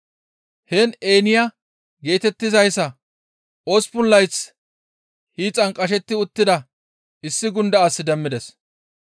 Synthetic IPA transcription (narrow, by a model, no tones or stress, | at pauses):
hɛneːnɪja | ɡe̞ːt̪ɛt̪ːɪzɐjsɐ | ʔospʊlːɐjt͡s | hiːt͡sʼɐŋkʼɐʃ̬ɛt̪ːɪʊt̪ːɪd̪ɐ | ɪsːɪɡʊnd̪ɐːsːɪd̪ɛmːɪd̪ɛs